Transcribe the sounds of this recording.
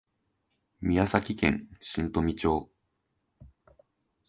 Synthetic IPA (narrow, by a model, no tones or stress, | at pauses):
mʲijasakʲikẽ̞̰ŋ̃ɕĩnt̪o̞mʲit͡ɕo̞ː